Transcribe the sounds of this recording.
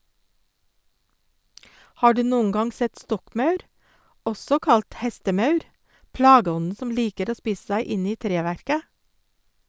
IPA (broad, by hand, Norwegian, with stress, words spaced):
ˈhɑː ˈɖʉː ˈnoːəŋ ˈɡɑŋ ˈsɛt ˈstɔkˌmɑʉɾ ˈɔsɔ ˈkɑlt ˈhɛstəˌmɑʉɾ ˈplɑːɡəˌɔnn̩ ˈsɔm ˈliːkəɾ ˈoː ˈspiːs̩ ˈsæɪ ˈɪn ˈiː ˈtɾeːˌʋæɾkə